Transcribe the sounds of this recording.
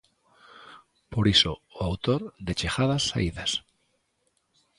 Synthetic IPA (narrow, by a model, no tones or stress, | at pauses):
poɾisoːawt̪oɾd̪et͡ʃexaðasːa̰iðas